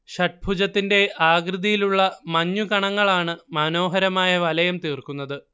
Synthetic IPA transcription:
ɕɐʈ̚bʱud͡ʑɐt̪ːinde̞ʔaːɡrɨðijiluɭːɐmɐɲːukɐɳɐŋːɐɭaːɳɨmɐno̞ːɦɐɾɐmaːjɐʋɐlɐjɐmt̪iːrkunːɐðɨ

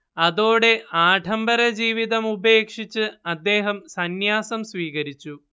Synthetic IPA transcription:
ɐðo̞ːɽe̞aːʈʰɐmbɐɾɐd͡ʑiːʋiðɐmube̞ːkʂit͡ɕːɨɐd̪ːe̞ːɦɐmsɐnjaːsɐmsʋiːɣɐɾit͡ɕːu

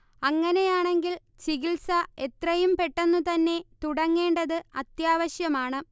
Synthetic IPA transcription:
ɐŋːɐne̞jaːɳe̞ŋɡil | t͡ɕiɣilsɐe̞t̪rɐjumpe̞ʈːenːut̪ɐnːe̞t̪uɽɐŋːe̞ːɳɖɐðɨɐt̪jaːʋɐɕjɐmaːɳɨ

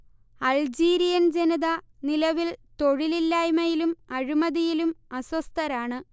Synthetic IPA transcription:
ɐld͡ʑiːɾijɐnd͡ʑeniðɐ | nilɐʋilt̪o̞ɻililːaːjmɐjilumɐɻimɐðijilumɐswɐst̪ɐɾaːɳɨ

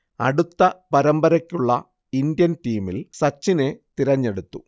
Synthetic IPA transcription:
ɐ̰ɽut̪ːɐpɐɾɐmbɐɾɐkʲːuɭːɐ | ind̪jɐnʈiːmilsɐt͡ɕːine̞t̪iɾɐɲːe̞ɽut̪ːu

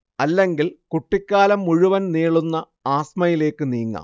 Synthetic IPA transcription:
ɐlːe̞ŋɡilkuʈːikʲːaːlɐmːuɻuʋɐnniːɭunːɐ | aːsmɐjile̞ːkːɨniːŋːa̰m

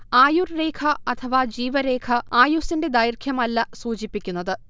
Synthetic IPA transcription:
aːjurre̞ːkʰɐɐt̪ʰɐʋɐd͡ʑiːʋɐɾe̞ːkʰɐaːjusinde̞d̪ɐjrkʰjɐmɐlːɐsuːt͡ɕipːikʲːunːɐðɨ

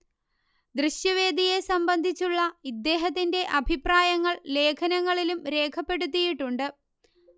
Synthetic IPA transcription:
d̪rɨɕjɐʋe̞ːd̪ʱije̞sɐmbɐnd̪ʱit͡ɕːuɭːɐid̪ːe̞ːɦɐt̪ːinde̞ʔɐbʱipraːjɐŋːɐɭle̞ːkʰɐnɐŋːɐɭilumɾe̞ːkʰɐpːe̞ɽut̪̬ːijiʈːuɳɖɨ

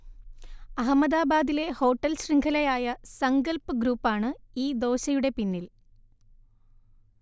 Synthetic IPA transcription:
ɐɦɐmːɐd̪aːbaːd̪ile̞ho̞ːʈːɐlɕriŋɡʰʱɐlɐjaːjɐsɐŋɡɐlpɨɡɾuːpːaːɳɨiːd̪o̞ːɕɐjuɽe̞pinːil

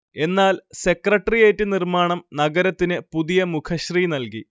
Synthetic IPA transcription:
e̞nːaːlse̞krɐʈːrijeːtːɨnirmaːɳɐmnɐɡɐɾɐt̪ːinɨpuðijɐmukʰɐɕriːnɐlkḭ

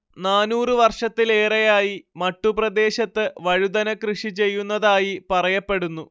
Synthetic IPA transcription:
naːnuːrɨʋɐrʂɐt̪ːile̞ːrɐjaːjimɐʈːuprɐd̪e̞ːɕɐt̪ːɨʋɐɻud̪ɐnɐkrɨʂit͡ɕe̞jːunːɐðaːjipɐrɐjɐpːe̞ɽunːu

